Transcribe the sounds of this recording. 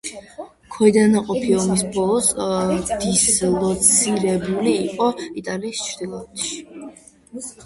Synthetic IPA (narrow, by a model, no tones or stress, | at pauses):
kʰɔid̪anaqʼɔpʰiɔmisbɔlˠɔsd̪islˠɔt̪sʰiɾɛbuliːqʼɔit̪ʼaliːst͡ʃʰɾd̪ilˠat̪ʰʃi̥